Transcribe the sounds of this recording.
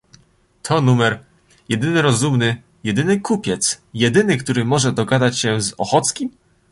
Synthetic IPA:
t̪ʰɔnumɛɾ | jɛd̪ɘnɘɾɔzumnɘ | jɛd̪ɘnɘkupʲjɛt̪sjɛd̪ɘnɘkt̪uɾɘmɔʐɛd̪ɔɡad̪at͡ɕɕɛzɔ̰xɔt̪skʲim

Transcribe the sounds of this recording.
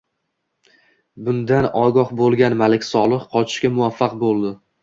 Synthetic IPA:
bʊnd̪anɒɡɒhbolˠɡʲanmalɪkʲsɒlˠɨχqʰɒt͡ʃʰɪ̥ʃkʲamʊafːaqbolˠd̪ɪ

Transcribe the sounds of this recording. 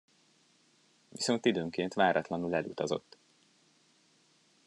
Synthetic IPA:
ʋiso̞nt̪id̪øːŋkeːnt̪ʋaːɾʔɒt̪lɒnulɛlut̪ɒzo̞̰t̪ː

